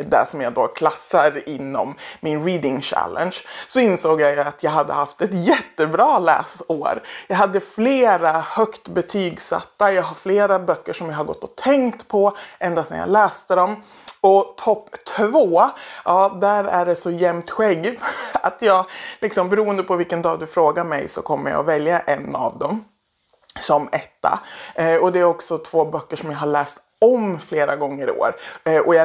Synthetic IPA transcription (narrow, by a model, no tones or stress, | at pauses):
d̪æ̰ʂɔmjɑd̪o̰kʰlasːaɾɪnːɔ̰mːɪnɾiːd̪ɪŋɕæ̰lə̰nʂsɔɪnsoːɡjaat̪ʰjɑːɡɦad̪ːə̰haft̪ɛt̪jɛt̪ːəbɾɑːlæ̰ːsoːɾjɑːɡɦad̪ːəfleːɾahœkt̪bɛt̪ʰyːɡsa̰t̪ːajɑːɡɦaɾfleːɾabœkːəʂɔmjaɦaɾɡɔ̰t̪ːɔt̪ʰɛŋkt̪pʰɔʔɛnd̪asɛ̰ja̰lɛːst̪əd̪ɔm | ɔt̪ʰɔpːt̪ʰvoːʔɑːd̪æɾæ̰ɖɛsɔjɛmt̪ɧɛɡat̪ʰjɑːɡlɪksɔmbɛɾuːənd̪əpʰɔvɪlkənd̪ɑːd̪ɵfɾoːɡaɾmɛ̰jsɔ̰kʰɔmːə̰ja̰vɛljaʔɛnːa̰vd̪ɔm | sɔmɛt̪ːa̰ɔd̪ɛæɾɔksɔt̪ʰv̥oːbœkːəʂɔmjaɦaɭɛːst̪ | ɔmfleːɾaɡɔŋːəɾɪ̰o̰ːɾʔɔjɑ